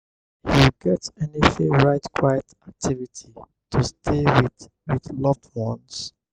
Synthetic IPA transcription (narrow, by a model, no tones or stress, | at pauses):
hiɡɛtɛniθɪ̃ɹaɪtkʰwajətak̚tʰivitʰi | tʰustʰewi | wiðlɔvdwɔ̃ns